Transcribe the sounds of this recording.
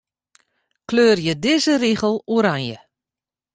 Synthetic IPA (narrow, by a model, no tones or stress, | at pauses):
kløːrjədɪːzəriɣəlˠuɾanjə